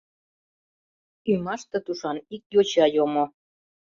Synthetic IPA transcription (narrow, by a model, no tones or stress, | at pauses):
ymɑʃt̪ə̆t̪uʃɑnik̚jot͡ɕɑjomo